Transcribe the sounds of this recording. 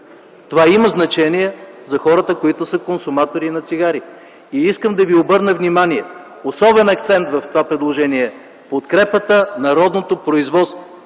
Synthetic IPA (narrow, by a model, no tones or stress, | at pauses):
t̪ovaiməznɐt͡ʃɛniɛzɐxɔɾət̪əkoit̪ʊsəkonsʊmat̪oɾinɐt̪siɡaɾi | iiskəmd̪ɐviobɤɾnəvnimaniɛ | osɔbɛnɐk̚t̪sɛnt̪vɐft̪ovapɾɛd̪lˠoʒɛniɛ | pot̪kɾɛpət̪ənɐɾɔd̪not̪opɾoizvɔt̪st̪vo